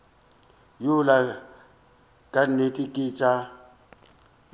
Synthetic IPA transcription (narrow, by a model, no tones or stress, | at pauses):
jula | kʼanekʼikʼiːt͡ʃʼa